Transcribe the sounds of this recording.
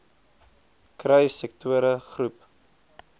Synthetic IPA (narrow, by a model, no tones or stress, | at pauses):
krɐjsɛk̚tʰuəɾəχrup